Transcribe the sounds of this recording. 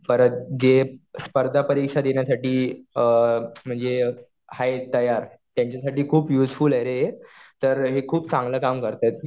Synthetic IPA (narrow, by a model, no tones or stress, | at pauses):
fəɾət̪d͡ʑespəɾd̪ʱapəɾikʂad̪eɳjasaʈiːəm̤əɳd͡ze | hajt̪əjaɾ | t̪jãɲt͡ɕjasaʈiːkʰuːpjuːd͡zfulaɾet̪əɾɦekʰuːpt͡sãŋɡləːkamkəɾt̪at̪̚